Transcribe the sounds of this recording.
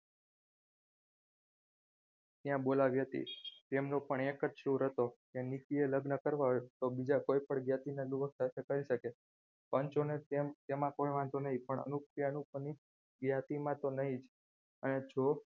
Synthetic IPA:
t̪jãbolaʋiɦət̪ḭt̪emnopəɳekəd͡ʒʃũɾɦət̪okenik̪ieləɡnəkəɾʋaɦt̪obid͡ʒakoipəɳɡjat̪ineluʋək̚t̪aʃəkaliʃəke | pəɲt͡ʃonet̪emt̪emãkojʋãnt̪onəɦĩpəɳə̰nukɾjanukni | ɡjat̪imãt̪onəɦĩd͡ʒ | əned͡ʒo

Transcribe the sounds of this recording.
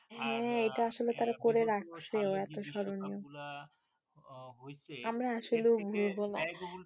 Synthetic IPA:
hɛ̃ejʈaaʃolet̪aɾakoɾeɾak̚t͡ɕʰeoɛt̪oʃɔɾonio | amɾaaʃoleobʱuɾbona

